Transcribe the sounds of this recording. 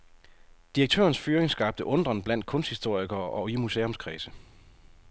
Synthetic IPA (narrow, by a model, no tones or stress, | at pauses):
d̥iʁɐɡ̚t͡sʰø̰ɐn̩sfyːɐeŋsɡ̥ɑ̈b̥̚d̥əʔɔ̽nd̥ʁɐnb̥læn̰d̥̚kʰɔ̽n̰sd̥hisd̥o̝ɐ̰iɡ̥ɐːʔɒ̽imusḛːɔ̽mskʰʁɛːsə